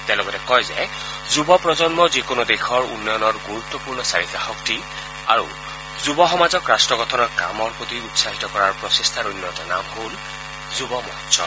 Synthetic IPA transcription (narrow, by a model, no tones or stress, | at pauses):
tɛlɔɡɔtɛkɔjzɛ | zubɔpɹɔzɔnmɔzikonodexʰɔɹṵnːɔjɔnɔɹɡuɹut̪ːɔpuɹnɔsaɹikaxɔkti | a̰ɹṵ | zubɔxɔmazɔkɹastɹɔɡɔtʰɔnɔɹka̰mɔɹpotiutsaɦitɔkɔɹaɹpɹɔsistʰaɹunːjɔtɔna̰mhol | zubɔmɔ̰ɦtsɔ̰